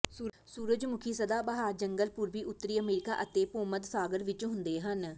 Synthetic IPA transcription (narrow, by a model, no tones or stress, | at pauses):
suː | suːɾəd͡ʒmʊkʰiːsəd̪aːbəɦaːɾd͡ʒəŋɡəlpʊːɾʋiːʔʊt̪ːəɾiːəmeːɾɪka̰ːʔət̪eːpoːmət̪saːɡəɾʋɪt͡ʃɦʊnd̪eːɦən